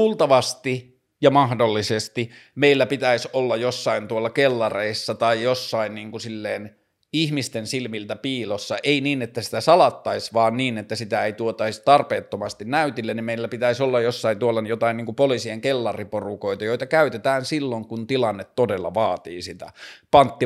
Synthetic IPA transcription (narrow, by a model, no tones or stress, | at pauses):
uːlt̪ɑʋɑst̪i | jɑmɑhdolːisest̪imeilːæpit̪æisolːɑjjosːɑint̪uolːɑkelːɑreisːɑt̪ɑijjosːɑinniːŋkusilːeːn | ihmist̪ensilmilt̪æpiːlosːɑʔeiniːnet̪ːæsi̥t̪æsɑlɑt̪ːɑisʋɑːnniːnet̪ːæsit̪æeit̪uot̪ɑist̪ɑrpeːt̪ːomɑst̪innæyt̪ilːenimeilːæpit̪æisolːɑjjosːɑint̪uolːɑjot̪ɑinniːŋkupolisieŋkelːɑriporukoit̪ɑjoit̪ɑkæyt̪et̪æːnsilːoŋkunt̪ilɑnːet̪todelːɑ̰ʋɑːt̪ḭːsit̪æ̰pɑnt̪ːi